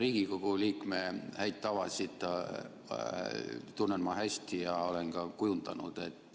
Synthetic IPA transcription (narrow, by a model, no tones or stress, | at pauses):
ɾiːɡ̥ikoɡ̥uliːkme̞hæjt̪̚t̪ːɑvɑsit̪ˑ | t̪unːemɑhæsʲt̪ijɑo̞le̞nkɑkujund̪ɑnud̪̥e̞t̪ːˑ